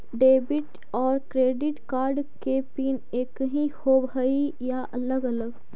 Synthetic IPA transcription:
ɖeːbɪʈ | ɔːɾkɾeːɖɪʈkaːɾɖkepiːneːkɦĩhoːbʱəijaʔɐləɡɐləɡ

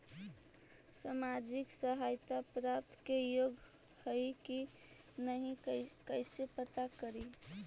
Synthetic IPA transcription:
samad͡ʒiksəɦajt̪apɾap̚t̪kejoɡ | həiki | nəɦĩkəɪsepət̪akəɾi

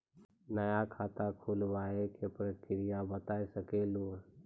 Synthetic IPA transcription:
nəjakʰaːt̪akʰulʋaːekepɾəkɪɾɪjabət̪aːsəkeːloː

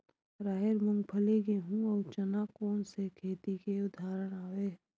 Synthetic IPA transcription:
ɾaːɦeɾmʊ̃ŋɡpʰəleɡeɦũɔːt͡ʃɐnakɔːnsekʰeːt̪ikeʊd̪ʱaːɾəɽ̃aːweː

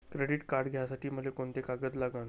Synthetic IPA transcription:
kɾeɽiʈkaɾɖɡʱjasaʈiːm̤əlekoɳt̪ekaɡət̪laɡən

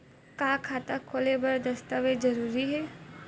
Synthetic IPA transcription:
kaːkʰaːt̪akʰoːlebɐɾd̪ɐst̪aʋezɐɾuːɾiɦɛː

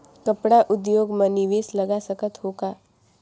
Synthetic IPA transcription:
kɐpɽaʔʊd̪joːɡmɐnɪʋeːslɐɡasəkət̪ɦoːɡaː

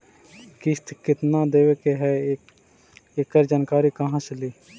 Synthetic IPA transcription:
kɪst̪kɪt̪nad̪eːʋekeɦɛ | ekːəɾd͡ʒaːnkaːɾikɐɦãt͡ʃəliː

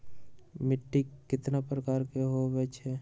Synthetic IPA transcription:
mɪʈːikkːɪt̪napɾəkaːɾkeɦobɛt͡ʃʰɛ

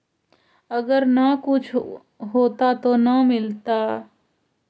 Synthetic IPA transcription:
əɡəɾnakʊt͡ʃʰ | ɦoːt̪at̪oːnəmɪlt̪aː

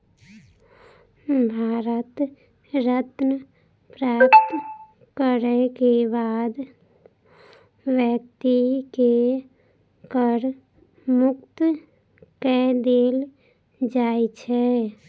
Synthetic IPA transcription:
bʱaːɾət̪ | ɾət̪nə | pɾaːpt̪ | kəɾɛkebaːd̪ | wjəkt̪ike | kəɾ | mʊkt̪ | kɛd̪eːl | d͡ʒaːet͡ʃʰɛ

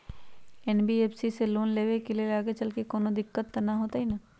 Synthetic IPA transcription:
ɛːnbieːpʰsiseloːnleːʋekelielaːɡet͡ʃɐlkekoːnõd̪ɪkːət̪ːɐnaɦoːt̪aɦina

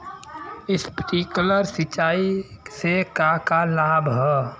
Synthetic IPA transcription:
ɪspəʈiːkʊləɾsɪt͡ʃaːisekakalaːbʱɦɛː

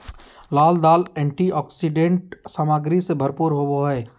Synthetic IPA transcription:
laːld̪aːlɛ̃ːɳʈiɔːksiɖẽːɳʈsaːmaːɡɾisebʱɐɾpuːɾɦooɦɛː

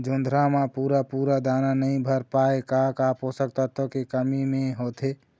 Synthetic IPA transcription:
d͡ʒond̪ʱɾamapuːɾapuːɾad̪ananəĩbʱəɾpaekakaposək̚t̪ʰət̪ʰəkekəmimeɦot̪ʰe

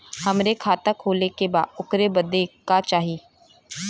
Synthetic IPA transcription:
hɐmɾekʰaːt̪akʰoːlekeba̰ːd̪ʊkɾebɐd̪ekat͡ʃaːɦiː

